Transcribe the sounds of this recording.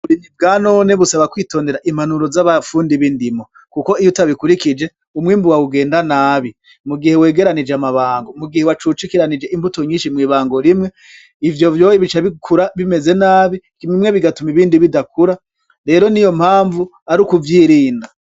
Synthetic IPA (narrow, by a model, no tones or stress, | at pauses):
uɾimib̚ɡano̞ːne̞βusaβakwiːto̞ːnde̞ɾaʔim̥hanuɾo̞zaβafuːndiβindimo̞ | kuko̞ijutaβikuɾikid͡ʒe̞ | umŋiːmbuwawuɡe̞ːndanaːβi | muɡihewe̞ːɡe̞ɾanid͡ʒamaβaːŋɡo̞muɡihewat͡ʃut͡ʃikiɾanid͡ʒe̞ʔimbuto̞ɲiːnʃimwiːβaːŋɡo̞ɾimŋe̞ | ivjo̞vjo̞jiβit͡ʃaβikʰuɾaβime̞ze̞naːβi | kimimŋeβiɡatumiβiːndiβidakuɾa | ɾe̞ɾo̞nijo̞m̥haːɱvu | aɾukuvjiːɾiːnda